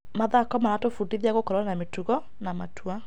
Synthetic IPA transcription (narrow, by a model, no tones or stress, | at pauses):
maðakɔmaɾatofudiðiaɣokɔɾɔnanametuɣɔ | namatʰwa